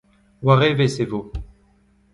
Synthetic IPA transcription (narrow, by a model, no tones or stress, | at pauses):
waʁevesevo